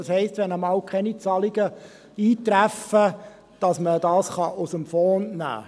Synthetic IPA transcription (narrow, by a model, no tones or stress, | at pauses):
ɑshɛɪstʋɛnəmɑːwkʰɛnit͡sɑliɡə | iːtɾæfə | d̥ɑsməd̥ɑːsχɑʔʊsəmfɔːnnæ̰ː